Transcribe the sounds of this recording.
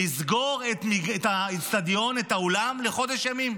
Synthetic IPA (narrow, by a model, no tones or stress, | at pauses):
izɡo̞ʁet̪miɡetast̪ad̪jo̞net̪aolamle̞χo̞d̪eʃjamim